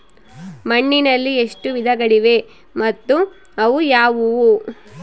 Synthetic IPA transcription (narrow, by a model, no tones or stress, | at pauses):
mɐɳːinɐlːieʂʈuʋid̪ʱɐɡɐɽiʋe̞ | mɐt̪ːu | ɐʋujaːʋuʋu